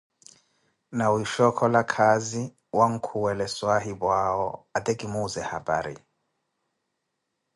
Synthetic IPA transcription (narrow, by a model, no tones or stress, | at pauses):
nawiʃɔkʰɔlakʰazi | waŋ̩kʰuwɛlɛswaɦibwaɔat̪ʼɛkʼimuzɛhaba̰ːɾḭ